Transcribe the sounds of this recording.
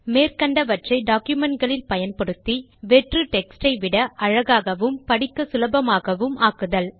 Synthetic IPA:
meːrkɐɳɖɐʋɐʈrɐɪɖaːkjʊmɛɳʈ̚ɡɐɭɪlpɐjɐnpɔɽɯt̪ːi | ʋɛʈrɯʈɛksʈɐɪʋɪɽɐʔɐɻɐɣaːɣɐʋɯmpɐɽɪkːɐsʊlɐbɐmaːɣɐʋɯmaːkɯðɐl

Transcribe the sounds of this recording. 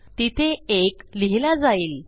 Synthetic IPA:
t̪it̪ʰeekliɦilad͡zaiːl

